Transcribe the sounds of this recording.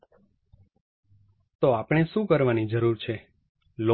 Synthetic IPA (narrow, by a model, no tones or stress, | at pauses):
t̪oapɳ̃eʃũkəɾʋanid͡ʒəɾuɾt͡ʃʰe | lo